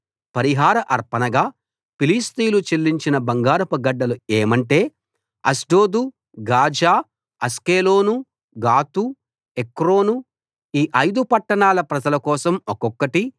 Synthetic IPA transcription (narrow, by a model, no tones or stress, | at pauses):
pɐɾiɦaːɾɐʔɐɾpɐnɐɡaː | piliːst̪iːlut͡ʃelːiɲt͡ʃinɐbɐŋɡaːɾɐpɐɡɐɖːɐlueːmɐɳʈe̞ː | ɐ̰sɖo̞ːd̪u | ɡaːd͡ʒaː | ɐskeːlo̞ːnu | ɡaːt̪u | ekɾo̞ːnu | iːʔɐjd̪upɐʈːɐɳaːlɐpɾɐd͡ʒɐlɐkɔːsɐmɔkɔkːɐʈi